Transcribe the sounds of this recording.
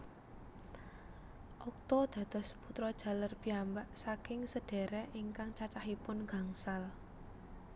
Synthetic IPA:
ʔɔk̚t̪ɔd̪̥ä̤d̪̥ɔ̤sput̪ɾɔd̥ʒ̥a̤larpiambaʔsakɪŋsəɖ̥e̤ɾɛʔiŋkaŋt͡ʃat͡ʃahipʊnɡ̥a̤ŋsal

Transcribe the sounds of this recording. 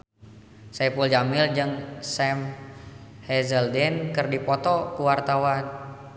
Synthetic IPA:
sɛpuld͡ʒamɪld͡ʒəŋsɛm | hɛzəldɛnkərdipɔt̪ɔkuwart̪awan

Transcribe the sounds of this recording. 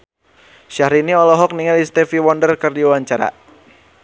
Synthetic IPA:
ʃahɾiniɔlɔɦɔk̚niŋalist̪ɛfiwɔndərkɨrdiuwaɲt͡ʃaɾa̰

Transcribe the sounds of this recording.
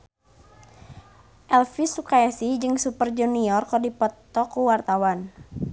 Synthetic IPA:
ʔɛlfisukajasid͡ʒɨŋsupərd͡ʒuniɔrkɔdipɔt̪ːɔkuwart̪awan

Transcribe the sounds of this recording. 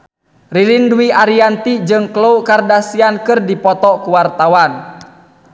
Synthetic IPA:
riɾinduiʔaɾiant̪id͡ʒɨŋkloukardasiankɨrdipɔt̪ɔkuwart̪awan

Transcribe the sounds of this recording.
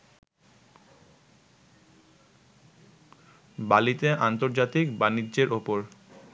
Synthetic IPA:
balit̪eʔant̪oɾd͡ʑat̪ikbaniʑeɾopoɾ

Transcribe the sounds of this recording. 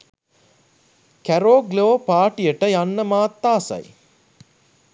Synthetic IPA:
kæɾoːɡloːpaːʈijəʈəjanːəmaːt̪ːaːsa̰j

